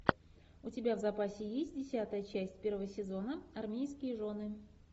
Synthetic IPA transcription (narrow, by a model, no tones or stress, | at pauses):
ʊtʲɪbʲavzɐpasʲɪjesʲt̚ʲdʲɪsʲat̪əjət͡ɕæsʲtʲpʲe̞rvəvəsʲɪzo̞nəɐrmʲejskʲɪjəʐo̞nɨ